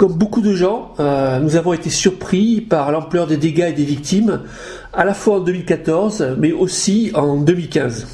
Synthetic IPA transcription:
kɔmbokud̪əʒɑ̃ønuzavɔ̃et̪esyʁpχipaʁlɑ̃plœʁd̪ed̪eɡaed̪evik̚t̪im | alafwaɑ̃d̪əmilkat̪ɔʁzmɛosiɑ̃d̪əmilkʲɛ̃z

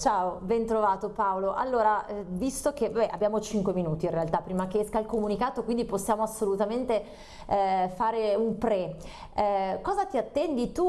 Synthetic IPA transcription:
t͡ʃaːobɛnt̪ɾovaːt̪opaoloʔa̰lːoːɾavist̪ok̟ebabɛʔa̰bːjaːmot͡ʃiŋkweminuːt̪inrealt̪apːɾiːmak̟eɛskailkomunikaːt̪okwind̪iposːjaːmoasːolut̪ament̪e | faːɾeumpɾɛ | kɔːzat̪iat̪ːɛnd̪it̪u

